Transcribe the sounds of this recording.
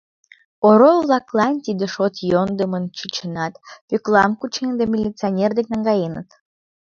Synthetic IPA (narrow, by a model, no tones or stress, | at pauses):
oɾovlˠɑklˠɑnt̪ʲid̪ə̆ʃot̪jond̪əmənt͡ɕyt͡ɕənɑt̪pʲøklɑmkut͡ɕend̪emʲilʲitt͡sɨanʲerd̪ek̚nɑŋɡɑjenət̪